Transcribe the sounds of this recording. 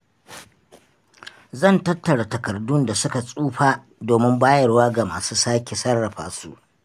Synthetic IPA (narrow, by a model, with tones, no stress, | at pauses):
zɐ˦˨ntɐ˦tːɐ˨ɽa˨tɐ˨kɐ˨rdʊ˦nda˨sʊ˦ka˨sʼuː˦ɸaː˦ | doː˨mɪ˦mbaː˦jɐ˨rwaː˦ɡa˨maː˨suː˦saː˦kʲe˨sɐ˦rːɐ˨ɸa̰ː˨sṵ˦˨ʔ